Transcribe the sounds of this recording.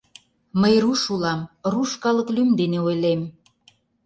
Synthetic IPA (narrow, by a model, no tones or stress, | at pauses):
məjruʃulɑmruʃkɑlə̆klymd̪eneojlem